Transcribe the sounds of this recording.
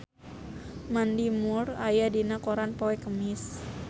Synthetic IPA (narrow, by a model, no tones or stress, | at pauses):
mandimurajadinakoɾanpowɛkəmɪs